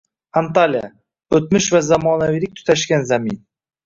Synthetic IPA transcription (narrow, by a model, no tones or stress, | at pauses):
ant̪alija̰ | ɵt̪mɪʃvazamɒːnavijlɪk̚ʲt̪ʰʊ̥t̪ʰaʃkʲanzamin